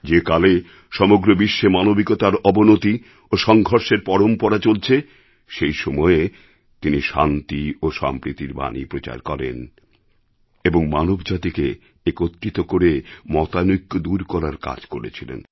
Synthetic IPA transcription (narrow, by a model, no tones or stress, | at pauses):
d͡ʑekale | ʃɔmoɡɾobiʃːemanobikot̪aɾɔbonot̪i | oʃɔŋɡʱoɾʃeɾpɔɾompɔɾat͡ɕolt͡ɕʰe | ʃejʃɔmɔe | t̪iniʃa̰nt̪ioʃa̰mpɾit̪iɾba̰nḭpɾot͡ɕa̰ɾkɔɾḛn | eboŋmanobd͡ʑat̪ike | ekot̪ːɾit̪okoɾemɔt̪anukːod̪uɾkɔɾaɾka̰d͡ʑkoɾḛt͡ɕʰilḛn